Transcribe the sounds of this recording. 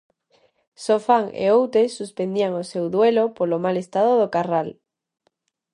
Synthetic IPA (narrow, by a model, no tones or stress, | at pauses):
sofaŋḛowt̪esuspend̪iaŋosewðwelopolomalest̪að̞oð̞okaral